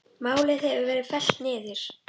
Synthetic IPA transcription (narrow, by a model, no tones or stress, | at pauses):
maːwlɪθɛvʏvɛːɾɪfɛl̥t̪nɪːðɪɾ̥